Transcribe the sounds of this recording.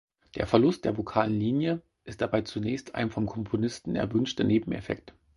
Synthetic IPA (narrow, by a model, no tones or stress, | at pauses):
d̥ḛːɐfɛɐlʊst̚d̥eːɐvokʰaːlənliːnjə | ʔɪst̚d̥abaɪt͡sunɛːçstʰa̰ɪnfɔmkʰɔmpʰonɪstn̩ɛ̰ɐvʏnʃtɐneːbm̩ḛfɛ̰k̚t